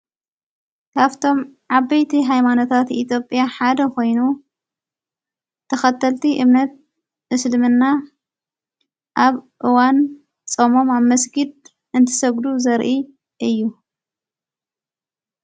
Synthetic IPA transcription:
kʰaβt̪ʰo̞mʕaβːɐjt̪ʰiɦajmano̞t̪ʰat̪it̪ʰjo̞pʼːjaħad̪ɐko̞jnu | t̪ʰɐxɐt̪ʰːɐlt̪ʰiʔɨmnɐt̪̚ | ɨslmɨnːa | ʔaβʔɨwan | t͡sʼomo̞maβmɐsɡɨd̪̚ | ɨnt̪ʰɨ̥sɐɡd̪uzɐɾʔi | ʔɨjːu

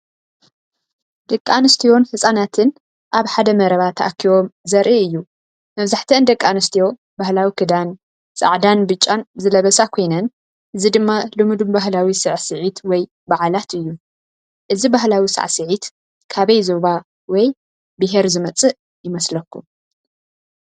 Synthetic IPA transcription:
d̪ɐkʼːanɨst̪ʰijo̞nhɨsʼanat̪ʰɨn | ʔaβħad̪ɐmɐɾɐβat̪ʰːɐʔa̰kʰːiwo̞mzɐɾʔiɨjːu | mɐβzaħt̪ʰɐɨnd̪ɐkʼːanɨst̪ʰijo̞ | bahlawikʰɨd̪an | sʼa̰ʕd̪anbɨt͡ʃʼːanzɨlɐβɐsakʰo̞jnɐn | ʔɨzid̪ɨmːalɨmud̪umbaɦlawisɨʕsɨʕit̪wɔj | baʕalat̪ɨjːu | ʔɨzibaɦlawisɨ̰ʕsɨʕit̪ | kʰaβɐjzo̞βa | wɔj | bɨɦeɾzɨmɐt͡sʼɨ | jɪmɐslɐkʰːum

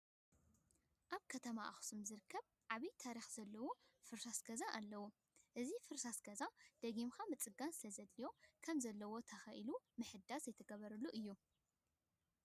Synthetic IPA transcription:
ʔaβkʰɐt̪ʰɐmaʔaxsɨmzɨɾɨkʰːɐβ | ʕaβit̪ʰaɾixz̥ɐlːɐwofɨɾsasɡɐzaʔalːɐwu | ʔɨzifɨɾsasɡɐzad̪̥ɐɡimxʰamɨt͡sʼɨɡansɨlɐzɐlːijo̞kʰɐmzɐlːɐwo̞t̪ʰɐxɐʔilumɨħɨd̪ːazɐjt̪ʰɐɡɐβɐɾɐlːuʔɨjːu

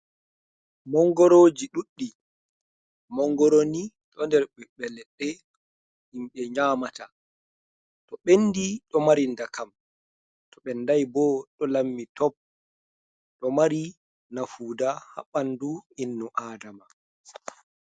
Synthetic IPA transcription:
mɔŋɡɔɾoːd͡ʒiɗuɗːi | mɔŋɡɔɾoni | ɗɔndɛɾɓɛɓɛlɛɗːɛ | himɓɛɲaːmata | tɔɓenːdiɗɔmaɾindakam | tʰɔɓɛndajbɔɗɔlamːitɔp̚ | ɗɔmaɾi | nafuːdaha̰ɓanduinːuʔaːdama

